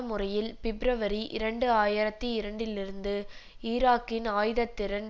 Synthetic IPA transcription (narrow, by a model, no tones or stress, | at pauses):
ɐmɯrɐjɪlpɪbɾɐʋɐɾiʔɪ̰ɾɐɳɖɯaːjɪɾɐt̪ːiɪɾɐɳɖɪlɪɾɯnd̪ɯ | iːɾaːkːɪnaːjɯðɐt̪ːɪɾɐn